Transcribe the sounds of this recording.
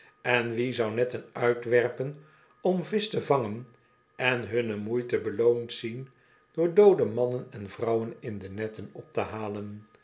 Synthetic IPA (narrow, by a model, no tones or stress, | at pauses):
ɛnʋizɑwnɛtənœɥtʋɛrpən | ɔmvɪstəvɑŋən | ʔɛnɦɵnəmujtəbəlowntsin | d̥ʊːɹdowdəmɑnənɛnvrʌwənɪndənɛtənɔp̚təɦaːlən